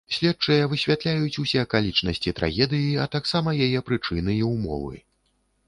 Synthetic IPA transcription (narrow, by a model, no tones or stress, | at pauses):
sʲlʲɛt̚t͡ʂɐjɐvɨsʲvʲat̪lʲajut͡sʲusʲɛɐkalʲit͡ʂnɐsʲt͡sʲit̪ɾa̰ɣʲɛd̪ɨjiɐt̪aksamɐjajɛpɾɨt͡ʂɨnɨjiwmɔ̰vɨ̰